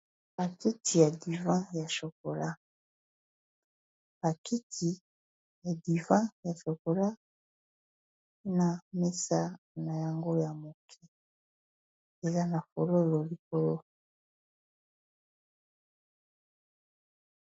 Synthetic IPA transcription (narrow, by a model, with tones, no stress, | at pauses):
b̥a˨ki˦ti˨ja˨di˨vã˦ja˨ʃo˨ko˨la˦ | b̥a˨ki˦tʰi˨ | ja˨di˨vã˦ja˨ʃo˨ko˨la˦ | na˨me˦sa˦ | na˨ja˨ŋɡo˦ja˨mo˨kʰi˦ | e˨za˦na˨fo˨lo˦lo˨li˨ko˨lo˦